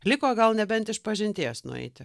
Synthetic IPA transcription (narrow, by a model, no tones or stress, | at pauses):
lʲɪkoːɡɐlˠnʲɛbʲɛnt̪ɪʃpɐʒʲɪnʲt̪ʲiːsnʊ̰ɛ̰ɪt̪ʲɪ